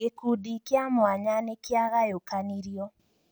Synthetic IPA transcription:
ekudikjamwaɲanekjaɣajokaniɾiɔ

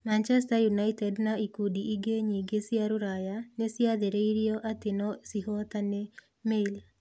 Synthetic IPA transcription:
mant͡ʃɛstajunaitɛdnaikudiʔiɡeɲiɡesiaɾoɾajanesjaðeɾeiɾjɔʔat̪ɪnɔsiɦɔt̪ane | mel

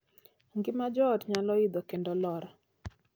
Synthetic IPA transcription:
ŋɡɪmad͡ʒɔdɲalɔid̪ɔkendɔlɔɾa

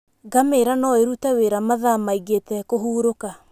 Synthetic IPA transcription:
ɡameɾanɔeɾutaweɾamaðamaiɣetɛkoɦuːɾoka

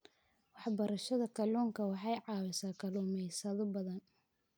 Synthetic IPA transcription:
wɑħbɐɾɐʃɐðɐkʰɐluːŋkʰɐwɑħɑjʕɑːwɪsaːkʰɐluːmɛjsɐðɔbɐðɐn

